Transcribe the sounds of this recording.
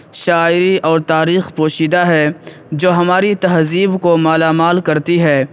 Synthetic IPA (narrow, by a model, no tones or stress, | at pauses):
ʃaːɪɾiʔɔːɾt̪aːɾiːxpoːʃiːd̪aɦɛ | d͡ʒoːɦɐmaːɾit̪ɐɦziːbkomaːlaːmaːlkɐɾt̪iɦɛː